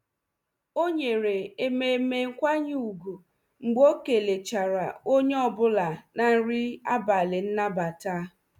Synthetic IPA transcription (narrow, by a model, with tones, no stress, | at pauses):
o˦ɲe˨ɾe˨e˨me˨˦me˨ŋ̩˦kʷa˦ɲ˦u˨ɡu˨ | ŋ͡m̩˨ɡ͡bo˦ke˨le˨t͡ʃa˨ɾa̰˨o˦ɲe˦ɔ˦bʊ˦la˨na˨n̩˦ɾi˦a˦ba˨le˨n̩˦na˦ba˨ta˦